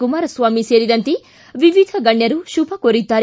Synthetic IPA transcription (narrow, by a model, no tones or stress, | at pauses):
kumaːɾɐsʋaːmiseːɾid̪ɐnt̪i | ʋiʋid̪ʱɐɡɐɳɖjɐɾuʃubʰʱɐkoɾit̪ːaːɾ